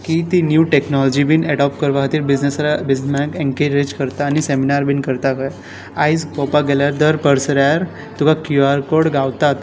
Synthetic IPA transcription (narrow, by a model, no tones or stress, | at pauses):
kit̪injuːʈeknɔlɔd͡ʑibinɛɽɔpkəɾʋaɦət̪iːɾbid͡ʑnesɾabismakẽŋkeɾɾed͡ʑkəɾt̪aːniseminaɾbinkəɾt̪akəj | ajd͡zpɔpaɡɛljaɾd̪əɾpəɾsɾjaɾ | t̪ukakjuaɾkoɽɡaʋt̪at̪